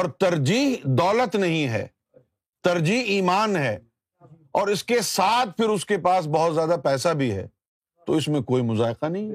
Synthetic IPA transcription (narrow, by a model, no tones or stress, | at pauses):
ɔːɾt̪ɐɾd͡ʒiːɦd̪ɔːlət̪nɐɦĩɦɛ̰ː | t̪ɐɾd͡ʒiːɦiːmaːnɦɛː | ɔːɾɪskesaːt̪ʰpʰɪɾʊskepaːs̬bɔɦʊt̪zjaːd̪apɛːsabʱiɦɛ̰ː | t̪oɪsmẽkoːimʊzaːɪqanɐɦĩɦɛ